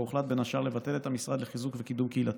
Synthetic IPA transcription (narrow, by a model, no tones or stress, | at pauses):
uχlat̪̚benaʃaʁlevat̪e̞let̪amisʁad̪leχizukvekid̪umkeilat